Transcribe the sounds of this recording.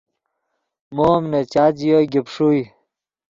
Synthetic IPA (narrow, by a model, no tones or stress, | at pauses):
momnet͡ɕaːd͡ʑijoɡipʂuj